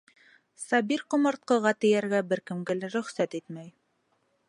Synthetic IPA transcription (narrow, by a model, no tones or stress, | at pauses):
sɑbiɾqŏmɑ̆ɾt̪̚qɤ̆ʁɑt̪ɘ̆jæɾɡæbɘɾkɘ̆mɡɘlæɾɵ̆χsæt̪it̪mæj